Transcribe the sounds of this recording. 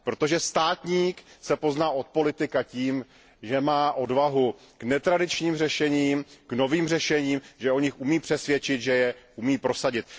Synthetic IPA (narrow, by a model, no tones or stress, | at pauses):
pɾo̞t̪o̞ʒɛst̪aːt̪ɲiːksɛpo̞znaːʔo̞t̪̚po̞lɪt̪ɪkaciːm | ʒɛmaːʔo̞dvaɦu | knɛt̪ɾadɪt͡ʃɲiːmr̝ɛʃɛɲiːmkno̞viːmr̝ɛʃɛɲiːmʒɛo̞ɲɪxumiːpr̝̥ɛsvjɛt͡ʃɪt̪ʒɛjɛʔumiːpɾo̞saɟɪt̪̚